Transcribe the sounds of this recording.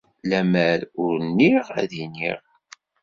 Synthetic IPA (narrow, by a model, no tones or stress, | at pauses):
læməɾʊɾnːiʁæ̰ðinḭʁ